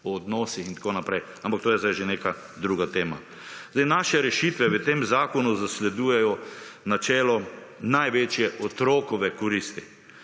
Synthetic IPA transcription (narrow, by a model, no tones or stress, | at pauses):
ɔːd̪nɔːsixint̪ḁkoːnapɾɛj | ampakt̪oːjɛzd̪ajʒeneːka | d̪ɾuːɡat̪eːma̰ | zd̪ajnaʃɛɾɛʃiːt̪ʋɛʋət̪eːmzaːkɔnuzaslɛd̪uːjɛjɔnat͡ʃɛːlɔnajʋeːt͡ʃjɛʔɔt̪ɾoːkɔʋɛkɔɾist̪i